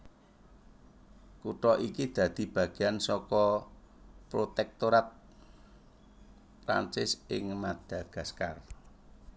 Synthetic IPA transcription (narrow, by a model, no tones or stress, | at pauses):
kuʈɔʔikid̪̥ä̤d̪̥i̤b̥ä̤ɡ̥eansɔkɔ | pɾot̪ɛk̚t̪oɾat̪̚ | pɾa̰nt͡ʃɪsɪŋmad̪̥a̤ɡ̥a̤skar